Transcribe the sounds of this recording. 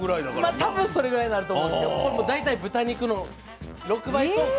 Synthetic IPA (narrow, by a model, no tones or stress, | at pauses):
ɡɯɾaiamat̪ʰabɯ̟̃ɰ̃so̞ɾe̞ɡɯ̟ɾaiɲʲnaɾɯt̪omõskekoɾemod̪ait̪aibɯ̟t̪aɲ̟ikɯ̟no | ɾo̞kɯ̟bait̪o